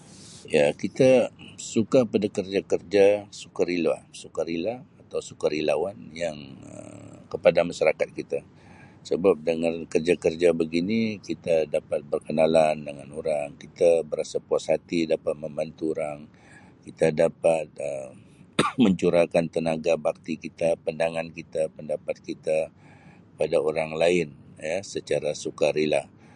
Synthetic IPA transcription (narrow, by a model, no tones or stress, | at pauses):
jakit̪asukapadakərd͡ʒakərd͡ʒasukaɾilasukaɾilaːt̪awsukaɾilawanjaŋə̰kəpadamaʃaɾakat̪̚kit̪a | səbap̚dəŋankərd͡ʒakərd͡ʒabəɡinikit̪adapat̪̚bərkənalandəŋanoɾaŋkit̪abəɾasapuashat̪idapat̪̚məmbant̪uoɾaŋ | kit̪adapat̪̚ə | məɲt͡ʃuɾakant̪ənaɡabak̚t̪ikit̪apandaŋankit̪apəndapat̪̚kit̪a | padaoɾaŋlaɪnjasət͡ʃaɾasukaɾilah